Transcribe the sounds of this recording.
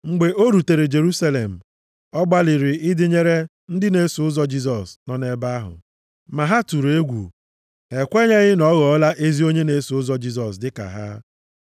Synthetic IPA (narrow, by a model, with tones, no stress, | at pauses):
ŋ͡m̩˨ɡ͡be˨ʔo˦ɾu˨te˨ɾe˨d͡ʒe˨ɾu˦sa˦le˨m̩˨ | ɔ˦ɡ͡ba˦li˨ɾɪ˨ɪ˦dɪ˦ɲe˦ɾe˦ | n̩˦dɪ˦ne˦sʊ˨ʊ˦zɔ˦d͡ʒi˦s̬ɔ˨snɔ˦ne˦ba˦ɦʊ̰˨ | ma˨ɦa˦tu˨ɾe˦ɡʷṵ˨ | e˨kʷe˦ɲe˦ɣɪ˦nɔ˦ɣɔ˨˦la˦ʔe˦zi˦o˦ɲe˦ne˨˦sʊ˦zɔ˦d͡ʒi˦z̬ɔ˨sdɪ˦ka̰˨ɦa̰˦